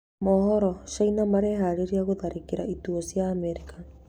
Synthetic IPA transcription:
mɔhɔɾɔʃainamaɾɛɦaɾeɾiaɣoðaɾekeɾaituɔsijaːmɛɾika

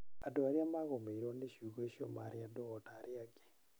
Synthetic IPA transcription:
adɔaɾjamaɣomeiɾoneʃuɣoeʃɔ̰ma̰ɾɪadɔɔtaɾɪaɡe̥

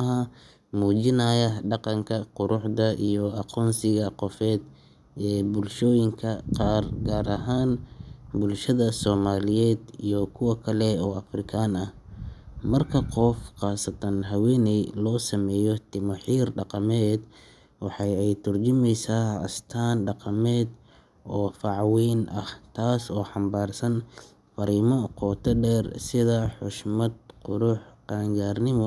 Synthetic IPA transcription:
hɐ | muːt͡ʃɪnɐjɐɖɑqɑŋkʰɐqʊɾʔʊħd̪ɐʔijɔɑqʰɔːnsɪɣɐqɔfɛːd̪ | ɛːbʊlʃɔːjɪŋkʰɐqɑːrɡaːɾɐɦaːnbʊlʃɐðɐsɔːmaːlɪjɛːd̪ijɔkʰʊwɑkʰɐlɛɔːɐfrɪkʰaːnɐh | mɐrkʰɐqɔfqɑːsɐt̪ʰɐnɦɐwɛːnɛjlɔːsɐmɛːjɔt̪ʰɪmɐħiːrɖɑqɑmɛːd̪ | wɑħɑjɛjt̪ʰʊrt͡ʃɪmɛjsaːɐ̰st̪ʰaːnɖɑqɑmɛːd̪ | ʔɔːfɑʕwɛːnʔɐht̪ʰaːsɔːħɑmbaːrsɐn | fɐɾiːmɔqʰɔːt̪ʰɐɖɛːrsɪðɐħʊʃmɐd̪̚qʊɾʊħqaːŋɡaːrnɪmɔ

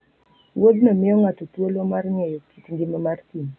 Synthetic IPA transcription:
wod̪nɔmɪjɔŋatotwolomarŋɛjɔkitŋɡɪmɛmartin

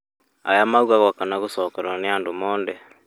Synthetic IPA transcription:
a̰jamauɣaɣɔkanaɣosɔkɛɾwaneandomɔːndɛ

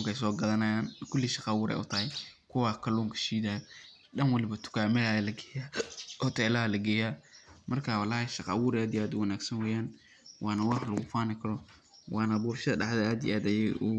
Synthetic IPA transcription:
ŋkɛjsɔːɡɐðɐnɐjaːnkʰʊlːiːʃɑqɑːwʊːɾɛ̰jʔʊt̪ʰɐhɛjkʰʊwɑːkʰɐluːŋkʰɐ̥ʃiːðaːj | ɗɐnwɑlɪβɐt̪ʰʊ̥kʰaːmɛalɐɡɛːjaːhɔt̪ʰɛːlɐɦɐlɐɡɛːjaːmʔɐrkʰaːwɑlaːhɛʃɑqɑ̰ːwʊːɾɛaːd̪jaːd̪ʊwɐnaːɡsɐnwɛjaːn | wʔɑːnɐwɑħlɐɣʊfaːnɪkʰɐɾɔ | wʔɑːnɐbuːrʃɐðɐɖɑħðɐaːd̪ij̰ʔaːd̪ɐjɛʊ

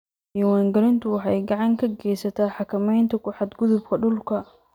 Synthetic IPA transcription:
iwaːŋɡɐɾɪnt̪ʰʊwɑħɑjɡɑʕɑŋkʰɐɡɛːjsɐt̪ʰaːħɑkʰɐmɛjnt̪ʰɐkʰʊħɑd̪ɡʊðʊbkʰɐɖʊlkʰɐ

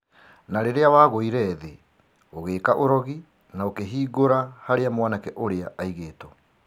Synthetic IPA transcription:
naɾeɾeawaɣoiɾɛðe | oɣeːkaʔoɾɔɣi | naokeɦiːɣoɾahaɾeamwanakɛʔoɾeaʔaiɣeːtɔ

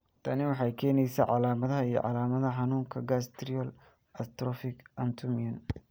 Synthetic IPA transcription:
t̪ʰɐnɪwɑħɑjkʰɛːnɛjsɛʕɑ̰laːmɐðɐɦɐijɞ̰ʕɑ̰laːmɐðɐħɑnuːŋkʰɐɡast̪ʰɾiɔl | ɐst̪ɾɔfɪɡʔɐnt̪ʰʊmiɐn

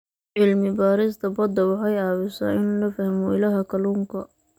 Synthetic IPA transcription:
ʕɪlmɪbaːɾɪst̪ʰɐbɔd̪ɐwɑħɑjaːβɪsa̰ːʔɪnuːnɐfɐhmɔɪlɐɦɐkʰɐluːŋkʰɐ

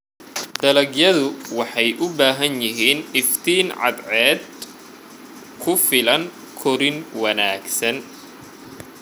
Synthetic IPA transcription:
d̪̥ɐlɐɡjɐðʊwɑħɑjʔʊbaːɦɐnjɪɦiːnɪft̪ʰiːnʕɑ̰d̪ʕɛːd̪ | kʰʊfɪlɐŋ | kʰɔɾɪnwɐnaːɡsɐn

